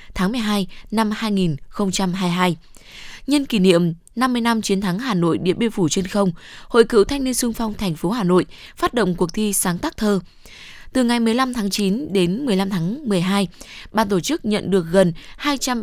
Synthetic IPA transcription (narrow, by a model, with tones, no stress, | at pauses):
t̪ʰaː˨˦ŋmɨ˨˩əjɦaː˧jna˧mhaː˧jŋi˨˩nxə˧wŋ͡mt͡ɕa˧mɦaː˧jɦaː˧j | ɲə˧nki˧˩nḭ˧˨əm | na˧mːɨ˧əjna˧mt͡ɕi˨˦ənt̪ʰa˨˦ŋɦaː˨˩no̰˧˨jɓḭ˧˩əɓe˧fu˧˩t͡ɕe˧nxə˧wŋ͡mho̰˧˨jkɨ̰˧˨wt̪ʰa˧jŋ̟ni˧ənsɨ˧əŋfa˧wŋ͡mt̪ʰɛ˨˩ŋ̟fo˨˦haː˨˩no̰˧˨jfaː˦˥t̚ɗo̰˧˨wŋ͡mku˨˩ək̚t̪ʰi˧saː˨˦ŋt̪aː˦˥k̚t̪ʰəː˧ | t̪ɨ˨˩ŋa˨˩jmɨ˨˩əjla˧mt̪ʰaː˨˦ŋt͡ɕi˨˦nɗe˨˦nmɨ˨˩əjla˧mt̪ʰaː˨˦ŋmɨ˨˩əjɦaː˧jɓa̰ː˧˨nt̪o˧˩t͡ɕɨ˦˥k̚ɲə̰˧˨nɗɨ˨˩ək̚ɣə˨˩nhaː˧jt͡ɕa˧m